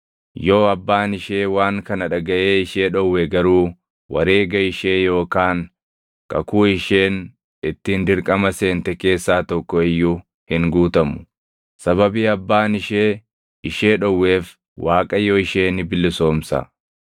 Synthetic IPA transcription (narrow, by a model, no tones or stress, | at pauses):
joːɐbːaːnɪʃeːwaːŋkɐnɐᶑɐɡɐʔeːɪʃeːᶑɔwːɛɡɐɾuː | wɐ̰ɾe̞ːɡɐɪʃe̞ːjo̞ːkaːŋ | kɐ̰kuːɪʃe̞ːn | ɪt̪ːiːnd̪ɪɾkʼɐmɐse̞ːnt̪ɛke̞ːsːaːt̪ɔkːɔɪjːu | hɪŋɡuːt̪ɐmʊ̥ | sɐβɐbiːɐbːaːnɪʃeː | ɪʃe̞ːᶑɔwːe̞ːf | wʔaːkʼɐjɔɪʃeːnɪbɪlːɪso̞ːmsɐ̰